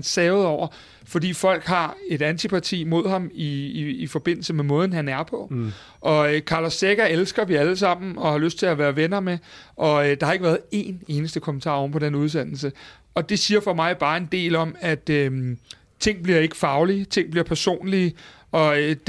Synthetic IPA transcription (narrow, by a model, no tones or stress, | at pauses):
nsɛːʊð̩ˠɒʊ̰ɐ | fɒ̽d̥ḭːfɒ̽l̰ɡ̥ɦɑ̈e̝ɾ̥ænt͡sʰipʰɑ̈t͡sʰḭːmo̝ð̞̰ˠɦɑ̈miːfɒ̽b̥e̝n̰l̩səmemɔ̽ːð̞ˠn̩ɦænæɐpʰɒ̽ | ʔɒ̽økʰɑ̈ːlɒsːeɡ̥ɐelsɡ̥ɐʋiæləsɑ̈m̰n̩ɒ̽hɑ̈løsd̥̚t͡sʰe̝læʋæːɐʋenɐmeʔɒ̽ød̥ɑhɑ̈e̝ɡ̥ʋæːɐðˠe̝̰ːne̝ːnəsd̥əkʰɒ̽mən̩t͡sʰɑ̰̈ːɒmpʰɒ̽d̥enuð̞ˠs̬en̰l̩sə | ɒ̽d̥e̝siːɐfɒ̽mɑ̈ɪb̥ɑ̈ːe̝nd̥e̝̰ːlɒ̽mæd̥ | t͡sʰe̝ŋ̰b̥liɐe̝ɡ̥ə̥fɑ̈ʊlit͡sʰe̝ŋ̰b̥liɐ̰pʰæɐso̝̰ːnli | ʔɒ̥̽